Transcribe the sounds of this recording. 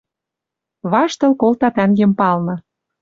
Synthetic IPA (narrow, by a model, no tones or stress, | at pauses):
βɑʃt̪ɤ̆lkolt̪ɑt̪æŋɡempɑlnɤ̆